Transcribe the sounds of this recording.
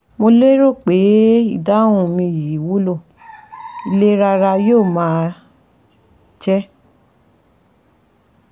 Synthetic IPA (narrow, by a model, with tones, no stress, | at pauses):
mo˧le˦ɾo˦˨k͡pe˨˦i˦˨da˨˦wũ˦˨mĩ˧ji˨wu˦lo˦˨ | i˧le˦ɾa˧ɾa˧joː˦˨mãː˨˦ | t͡ʃɛ˦